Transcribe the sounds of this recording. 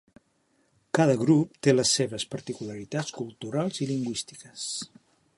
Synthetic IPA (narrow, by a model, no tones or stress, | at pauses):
kaðəɣɾup̚t̪eləsːeβəspəɾt̪ikuləɾit̪at͡skulˠt̪uɾalˠziliŋɡwist̪i̥kəs